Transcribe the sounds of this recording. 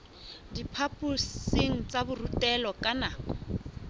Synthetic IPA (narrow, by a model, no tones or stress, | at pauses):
dipʰapʼuseŋ̩t͡sʼabʊrutʼɛlɔkʼanaːkɔ